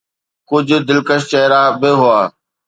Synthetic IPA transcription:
kʊd͡ʑʱʊd̪ɪlkəʃt͡ɕəɦɪɾaːbɪɦʊaː

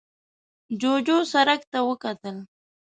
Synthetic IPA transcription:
d͡ʒoːd͡ʒoːsaɾakt̪awɪkat̪al

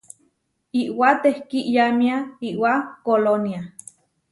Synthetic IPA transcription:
iʔwat̪ehkiʔjamiaiʔwakolonja

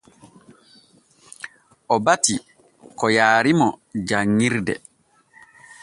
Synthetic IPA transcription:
ʔɔbati | kɔjaːɾimɔd͡ʒaŋːiɾdɛ̰

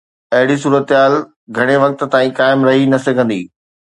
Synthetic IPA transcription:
ɐɦɪɽisuːɾət̪ɦaːl | ɡʱɐɽ̃eʋɐk̚t̪̆t̪aːĩkaːɪmɾɐɦinɐsɐɡʱə̃nd̪ḭː

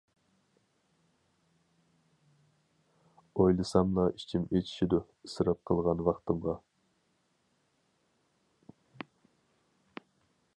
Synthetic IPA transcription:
ojlˠɨsɑmnˠɑʔit͡ʃʰimet͡ʃʰi̥ʃid̪u | ɨsɨɾɑp̚qʰəlˠʁɑnwɑχt̪ɨmʁɑ

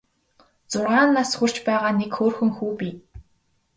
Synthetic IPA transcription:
t͡sʊrʁaːnːaːsxur̥t͡ɕpæːʁaːnekxoːrxɵ̆ŋxuːpiː

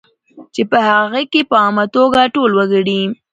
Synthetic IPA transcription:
t͡ʃepəhaɣəkepəɑmat̪oɡaʈolwəɡəɽi

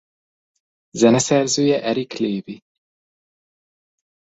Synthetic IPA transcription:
zɛnɛsɛrzøːjɛʔɛɾikleːvi

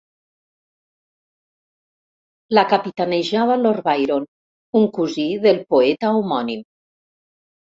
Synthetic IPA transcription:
lakapit̪aneʒaβaloɾβajɾon | uŋkuziðelˠpoɛt̪aumɔnim

